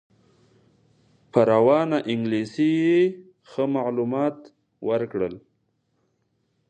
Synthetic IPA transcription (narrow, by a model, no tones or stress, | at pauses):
pəɾawɑnaʔɪŋɡlisije | xəmaʕlumɑt̪ | wəɾkɽəl